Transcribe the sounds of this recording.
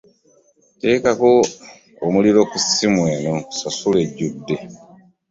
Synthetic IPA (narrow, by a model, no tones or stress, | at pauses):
te̞ːkakoː | muliɾo̞kusimweːnososuleɟudːe